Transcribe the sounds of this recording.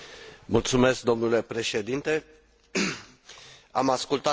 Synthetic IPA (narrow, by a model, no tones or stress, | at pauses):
mult̪sume̞sk̚d̪o̞mnule̞pɾe̞ʃe̞d̪int̪e̞ | amaskult̪a